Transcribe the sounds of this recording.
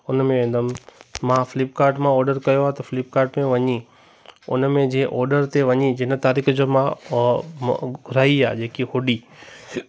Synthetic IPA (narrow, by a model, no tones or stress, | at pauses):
ʊnmẽʋẽːnd̪əmmãfɪlɪpkaːɾʈmãɔːɾɖəɾkɐjoaːɦet̪ɐflɪp̚kaːɾʈmẽʋɐɲi | ʊ̰nmẽd͡ʑẽːʔɔːɾɖəɾt̪eʋɐɲid͡ʑɪnə̆t̪aːɾiːxd͡ʑoːmã | ɡʱʊɾaːia̰ːd͡ʑeːkihʊɖi